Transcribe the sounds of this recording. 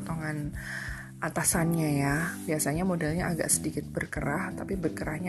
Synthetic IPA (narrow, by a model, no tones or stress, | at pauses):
t̪oŋan | ʔat̪asanɲajab̥iasaɲamodalɲaʔaɡa̰ʔsədikɪt̪̚bərkəɾaht̪apibərkəɾahɲa